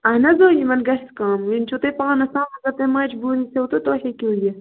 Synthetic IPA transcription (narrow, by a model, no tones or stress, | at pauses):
ɐɦnɐzoːjimɐnɡɐʃt̪kaːminʲt͡ʃʰut̪epaːnɐsãːmɐzɐt̪emaːt͡ʃbuːɾiseot̪ot̪oːhekʲuːje